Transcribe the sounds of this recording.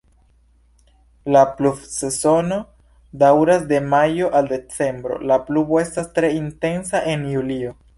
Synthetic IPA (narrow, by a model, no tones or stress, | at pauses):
laplubse̞zo̞no̞ | dawɾasde̞majo̞ʔalde̞t͡se̞mbɾo̞̰laplubo̞e̞stastɾe̞inte̞nsaʔe̞njulio